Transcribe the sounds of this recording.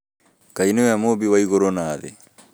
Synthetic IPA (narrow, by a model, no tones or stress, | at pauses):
kainewɛmobiwaiɣoɾonaːðḛ